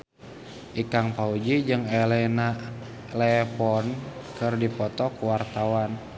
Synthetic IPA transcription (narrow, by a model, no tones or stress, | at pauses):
ʔikaŋpaud͡ʒid͡ʒɨŋɛlɛna | lɛpɔnkɨrdipɔt̪ɔkuwart̪awan